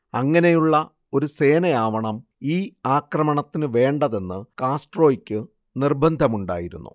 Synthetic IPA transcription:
ɐŋːɐne̞juɭːɐ | o̞ɾuse̞ːnɐjaːʋɐɳɐmiːaːkrɐmɐɳɐt̪ːinɨʋe̞ːɳɖɐðe̞nːɨkaːsʈro̞ːikʲːɨ | nirbɐnd̪ʱɐmuɳɖa̰ːjiɾṵnːṵ

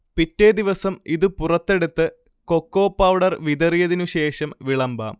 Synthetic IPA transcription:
pitːe̞d̪iʋɐsɐmiðɨpurɐt̪ːe̞ɽut̪ːɨ | ko̞kːo̞ːpːɐwɽɐrʋid̪ɐrijɐðinuɕe̞ːʂɐmʋiɭɐmba̰ːm

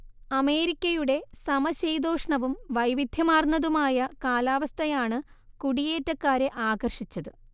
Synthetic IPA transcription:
ɐme̞ːɾikʲːɐjuɽe̞sɐmɐɕejd̪o̞ːʂɳɐʋumʋɐjʋid̪ʱjɐmaːrnɐðumaːjɐkaːlaːʋɐst̪ʰɐjaːɳɨkuɽije̞ːtːɐkːaːɾe̞ʔaːɡɐrʂit͡ɕːɐðɨ

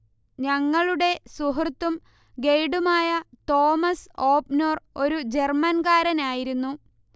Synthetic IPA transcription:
ɲɐŋːɐɭuɽe̞suɦrt̪ːum | ɡe̞jɽumaːjɐt̪o̞ːmɐso̞ːpno̞ːro̞ɾud͡ʑe̞rmɐnɡaːɾɐnaːjiɾunːu

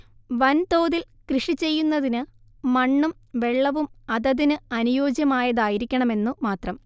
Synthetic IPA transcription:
ʋɐnt̪o̞ːðil | krɨʂit͡ɕe̞jːunːɐðinɨ | mɐɳːumʋe̞ɭːɐʋumɐðɐðinɨɐnujoːd͡ʑjɐmaːjɐðaːjiɾikʲːɐɳɐme̞nːumaːt̪rɐm

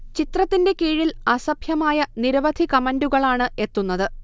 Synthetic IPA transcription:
t͡ɕit̪rɐt̪ːinde̞kiːɻilɐsɐbʱjɐmaːjɐniɾɐʋɐd̪ʱikɐmɐnduɣɐɭaːɳɨe̞t̪ːunːɐðɨ

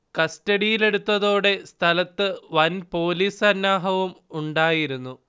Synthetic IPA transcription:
kɐstɐɽijile̞ɽut̪ːɐðo̞ːɽe̞st̪ʰɐlɐt̪ːɨʋɐnpo̞ːliːsɐnːaːɦɐʋumuɳɖaːjiɾunːu

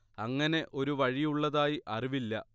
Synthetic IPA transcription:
ɐŋːɐne̞ʔo̞ɾuʋɐɻijuɭːɐðaːjiʔɐriʋilːɐ̰

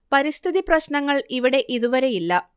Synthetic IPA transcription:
pɐɾist̪ʰiðiprɐɕnɐŋːɐɭiʋiɽe̞ʔiðuʋɐɾe̞jilːɐ

